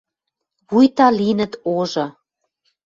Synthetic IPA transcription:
βujt̪ɑlinə̆t̪oʒɤ̆

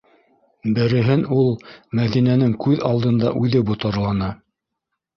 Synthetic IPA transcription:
bɘ̆ɾɘ̆ɦɘnulˠmæðinænɘŋkʉðɑlˠd̪ɤ̆nd̪ɑʔʉðɘbŭt̪ɑ̆ɾlˠɑnɑ

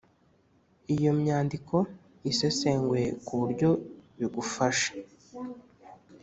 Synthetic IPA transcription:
ijo̞mɲaːndikʰo̞ | ise̞seŋɡwe̞kuuɾɟo̞βiɡufaʃḁ

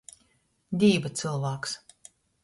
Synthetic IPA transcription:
d̪ʲiːvat̪sɨlˠvaːks

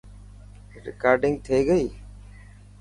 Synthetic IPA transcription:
ɾɪ̰kaːɾɖɪ̃ŋɡt̪ʰeːɡəiː

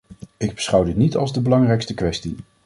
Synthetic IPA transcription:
ɪɡ̚bə̥sχʌwdɪtnitɑlˠzdəbəlɑŋrɛjkstəkʋɛsti

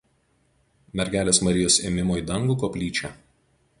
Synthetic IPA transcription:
mʲɛɾʲɡʲæːlʲeːsmɐɾʲɪjoːseːmʲɪmoːjd̪ɐŋɡuːkɔːpʲlʲiːt͡ʃʲæˑ

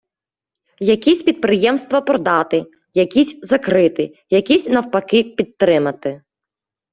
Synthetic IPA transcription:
jɐkʲisʲpʲid̪̚pɾɪjɛmst̪ʋɐpɾɔd̪ɑt̪ɪ | jɐkʲisʲzɐkɾɪt̪ɪ | jɐkʲisʲnɐwpɐkɪpʲid̪t̪ːɾɪmɐt̪ɪ

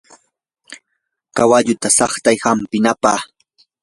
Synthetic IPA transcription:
kawaʎʊt̪asɑχt̪ajhampɪnapɑː

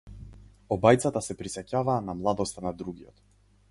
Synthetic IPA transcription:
ɔbajt̪sat̪asɛpɾisɛcavaːnamlˠad̪ɔst̪anad̪ɾuɡiɔ̰t̪

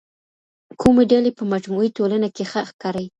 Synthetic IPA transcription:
kʰumeɖalepəmad͡ʒmuit̪olanakexəxkɑɾaj

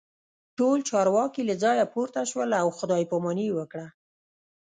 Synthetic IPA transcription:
ʈolt͡ʃɑɾwɑkilad͡zɑjapuɾt̪aʃwəlawxʊd̪ɑjpomaniwəkɽa

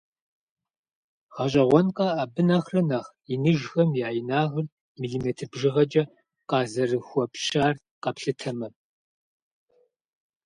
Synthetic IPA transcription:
ʁ̥ɐɕʼɐʁʷɔnqʼɐaːbɨnɐχrɐnɐʁ | inɨʒxɐmjaːjɪnaːʁɨr | miɮimeːtʰɨbʒɪʁɐd͡ʒʼɐ | qɑːzɐrɨxʷɔpʃaːr | qɐpɬɨtʰɐmɐ

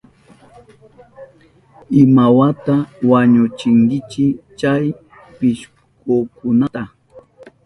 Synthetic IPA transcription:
ɪmawat̪awaɲʊt͡ʃɪŋkɪt͡ʃɪt͡ʃaj | pɪʃ | kokʊnat̪a

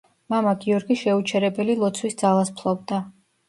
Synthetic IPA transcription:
mamaɡiɔɾɡiʃɛut͡ʃʰɛɾɛbɛlilˠɔt̪sʰwisd̪zalˠaspʰlˠɔbd̪a

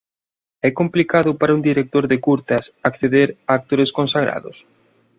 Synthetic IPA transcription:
ɛkomplikaðʊpaɾɐund̪iɾek̚t̪oɾðɪkuɾt̪ɐsakθeðeɾaːk̚t̪oɾɪskõnsaɣ̞ɾa̰ðʊ̰s

